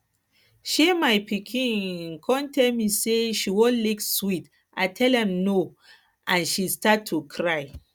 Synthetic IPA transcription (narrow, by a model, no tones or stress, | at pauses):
ʃemajpikʰĩnkʰɔ̃ntʰɛlmiseʃiwõnlekswit | ʔaɪtʰɛlɛ̃mno | ʔãnʃistatʰːukʰɹaj